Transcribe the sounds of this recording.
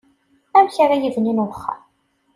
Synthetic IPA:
æmçaɾajiðninχːa̰

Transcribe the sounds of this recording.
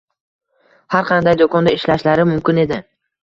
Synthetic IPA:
haɾqʰɑnd̪ajd̪ɒkʰɒnd̪aɪʃlaʃlaɾɪmʊmkʲɪne̞d̪ɪ

